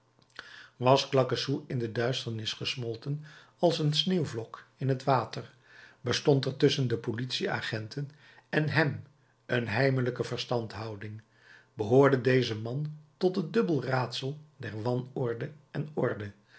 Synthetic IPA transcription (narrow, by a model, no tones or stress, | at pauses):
ʋɑsklɑkəsuɪndədœɥstəɹnɪsχəsmɔlˠtən | ɑlˠsənsneːwvlɔkɪnɦətʋaːtəɹ | bəstɔntɛɹtɵsəndəpolitsia̰ːχɛntʰən | ɛnɦɛm | ənɦɛjmələkəvəɹstɑntɦɑwdɪŋ | bəɦʊːɹdədejzəmɑntɔtɦədɵbəlˠraːtsəlˠdɛɹʋɑnɔɹdə | ɛnɔɹdə